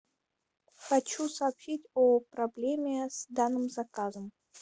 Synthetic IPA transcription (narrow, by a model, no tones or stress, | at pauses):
xɐt͡ɕusɐːpɕitʲopɾɐblʲemʲɪsd̪anːɨmzɐkazəm